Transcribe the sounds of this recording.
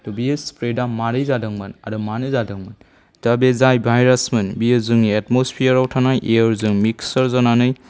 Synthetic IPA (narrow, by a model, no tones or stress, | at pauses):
dubiɯspɾedamaɾɯjzadɯŋmɯna̰ɾɯmanɯzadɯŋmɯn | tabezajbʱajɾasmɯnbijɯzɯŋietmospʰiəɾawtʰanajʔejəɾzɯŋmiksɐɾzananɯj